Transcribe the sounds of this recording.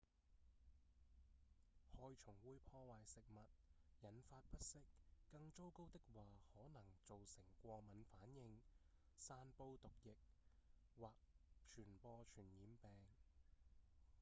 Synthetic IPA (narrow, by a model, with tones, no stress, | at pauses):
hɔː˧jt͡ʃʰʊ˨˩ŋwuː˨˥jpʰɔː˧waː˨jsɪ˨k̚mɐ˨t̚jɐ˨˩nfaː˧t̚pɐ˥t̚sɪ˥kːɐ˧ŋt͡so˥wko˥wt̪ɪ˥k̚waː˨hɔː˨˥nɐ˨˩ŋt͡so˨wsɪ˨˩ŋkʷɔː˧k̚mɐ˨˥nfaː˨˥njɪ˧ŋ | saː˧npo˧wt̪ʊ˨k̚jɪ˨k̚waː˨k̚t͡ʃʰyː˨˩npɔː˧t͡ʃʰyː˨˩njiː˨˧mpɛː˨ŋ